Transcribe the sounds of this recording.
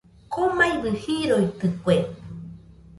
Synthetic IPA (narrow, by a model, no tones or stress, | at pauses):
komajβɨhiɾojt̪ɨkwe